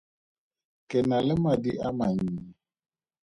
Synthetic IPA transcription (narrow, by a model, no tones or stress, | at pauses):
kɛnalɪmadiamaɲiː